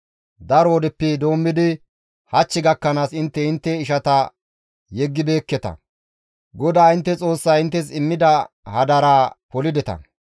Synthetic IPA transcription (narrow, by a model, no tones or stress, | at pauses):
d̪ɐɾɔɔd̪ɛpːɪd̪o̞ːmːɪd̪ɪ | hɐt͡ʃːɪɡɐkːɐnaːsɪnt̪ːɛɪnt̪ːɛɪʃɐt̪ɐ | jɛɡːɪbe̞ːkːɛt̪ɐ̰ | ɡɔd̪aːɪnt̪ːɛt͡sʼo̞ːsːaɪnt̪ːɛsɪmːɪd̪ɐ | hɐd̪ɐɾaːpɔlɪd̪ɛt̪ɐ̰